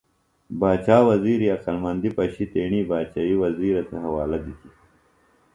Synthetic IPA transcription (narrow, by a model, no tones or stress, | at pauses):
baːt͡ʃaːwɐziːɾiɐqɐlmɐnd̪ipɐɕit̪eːɳiːbaːt͡ʃaːiwɐziːɾɐt̪ɐɦɐwaːlɐd̪it̪i